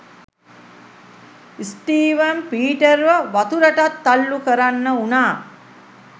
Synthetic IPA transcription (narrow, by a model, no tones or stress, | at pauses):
isʈiːʋəmpiːʈəɾʋəʋat̪uɾəʈat̪ːalːukəɾanːəunaː